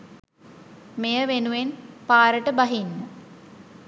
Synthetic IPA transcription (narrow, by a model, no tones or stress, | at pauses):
mejəʋenuʋenpaːɾəʈəbaɦinːə